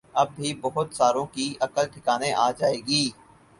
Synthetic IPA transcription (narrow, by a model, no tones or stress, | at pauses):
ɐbːibɐɦʊt̪saːɾõkiɐkəlʈʰɪkaːnẽʔaːd͡ʒaːeːɡiː